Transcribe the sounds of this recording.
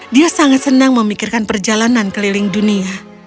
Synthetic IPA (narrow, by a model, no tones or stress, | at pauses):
diasaŋat̪̚sənaŋməmikɪrkanpərd͡ʒalanankəlilɪŋdunia